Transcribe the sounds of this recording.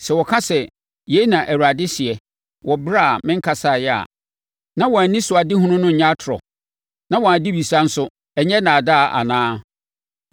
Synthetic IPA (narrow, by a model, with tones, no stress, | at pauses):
sɛ˨wɔ˨kʰã˦sɛ˨ | je˨˦nã˨ʔæ˨wa˨dɪ˦sɪ˨ɛ˨ | wʔɔ˨bɾa˦˨mɪ̃˦ŋ̩˦kʰa˨sa˦˨jɛ˦a̰˨ | nã˦wɔ̃˨a˨nĩ˦sʊ˨a˨dɪ˦hũ˦nʊ̃˦nʊ̃˦˨ɲã˦tʰɾɔ̰˨ | nã˦wɔ̃˨a˨di˦bi˨sa˦n̩˦sʊ˦ | ɛ˨ɲɛ˦nã˨da˦˨ʔa̰˨nãː˦